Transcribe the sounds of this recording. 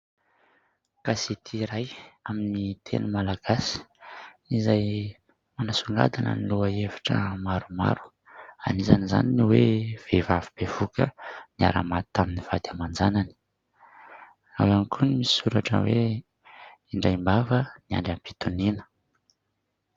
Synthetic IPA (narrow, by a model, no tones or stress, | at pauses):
kasit̪ʰiɾajaminit̪ʰḛnumalaɡ̥asi̥izaj | manasuŋɡa̰d̪anə̰niluəevḁʈ͡ʂə̰maɾuma̰ɾu̥ | a̰niza̰niza̰niniwev̥evavib̥ev̥ukə̰nia̰ɾa̰mat̪t̪aminiv̥ad̪̥jamand͡zanani̥ | a̰wamikʰunimisuɾaʈ͡ʂə̰we | iɳɖ͡ʐajmbavənia̰ɳɖ͡ʐampi̥t̪uninə̥